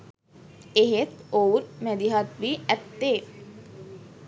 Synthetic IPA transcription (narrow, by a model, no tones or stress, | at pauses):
eɦet̪owɾmæd̪iɦat̪ʋiːæt̪ːe